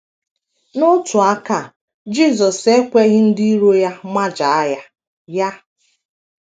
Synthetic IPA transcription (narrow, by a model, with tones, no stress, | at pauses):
nʊ˦tʊ˨a˦ka˦˨ | d͡ʒi˦˨zɔ˨se˦kʷe˦ɣɪ˦n̩˦di˦ɾo˦ja˦ma˦d͡ʒa˨a˦ja˦ | ja˦